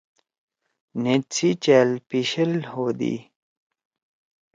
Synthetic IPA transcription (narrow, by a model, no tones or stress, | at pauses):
nit͡sʰit͡ɕeːlpiɕilhod̪ḭ